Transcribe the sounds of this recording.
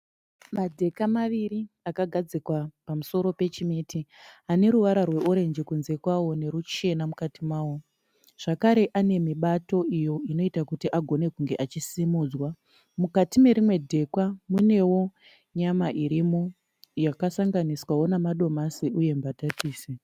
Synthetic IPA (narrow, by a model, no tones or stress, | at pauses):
madʱe̞kamaʋiɾi | akaɡʱad͡zikwapamuso̞ɾo̞pe̞t͡ʃimitʰiane̞ɾuʋaɾarwe̞ʔoɾe̞nd͡ʒikunze̞kwawo̞ne̞ɾut͡ʃe̞namukatimaːwo | ʐ̥akaɾe̞ʔane̞miɓato̞ʔijo̞ino̞itakutiʔaɡʱo̞ne̞kuŋɡe̞ʔat͡ʃisimuːd͡zwa | mukatime̞ɾimwe̞dʱe̞kwamune̞wo̞ | ɲamaʔiɾimo | jakasaŋɡaniswawo̞namaɗo̞masiʔuje̞mbatatiːse